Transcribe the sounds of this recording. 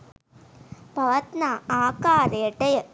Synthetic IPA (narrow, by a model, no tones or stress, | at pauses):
bɐʋɐt̪naːaːkaːɾɐjɐʈːɐjɐ